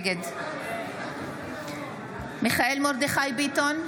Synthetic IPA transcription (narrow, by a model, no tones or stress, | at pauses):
ɡed̪ | miχaʔelmoɾd̪eχajbit̪on